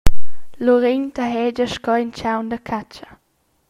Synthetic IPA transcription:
loɾeɲt̪əɦɛd͡ʒəʃkɔint͡ʃawndəkʰat͡ʃə

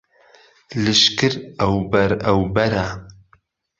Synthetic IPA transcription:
lɨʃkɨɾɐwbɐɾɐwbɐɾa

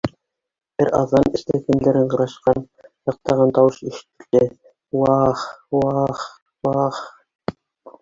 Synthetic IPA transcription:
b̥ɘɾɑ̰ðːɑnɘ̆slækæ̆nd̪æɾɘɴqɤ̆ɾɑʃqɑn | jɑ̆q̚t̪ɑʁɑnt̪ɑwɤʃiʃɘ̥̆t̪ɘ̆ld̪ɘ | wɑχwɑχ | wɑχ

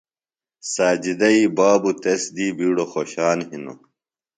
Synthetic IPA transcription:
saːd͡ʑid̪ɐiːbaːbut̪esd̪iːbiːɽoxoɕaːnɦino̰

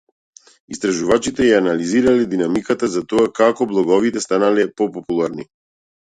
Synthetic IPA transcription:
ist̪ɾaʒuvat͡ʃit̪ɛjaanaliziɾalɛd̪inamikat̪azat̪ɔakakɔblˠɔɡɔvit̪ɛst̪analɛpɔpɔpulˠaɾni

